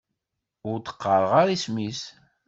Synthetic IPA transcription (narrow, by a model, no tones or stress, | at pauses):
ʊɾt̪ə̥qːəɾˤəʁaɾismis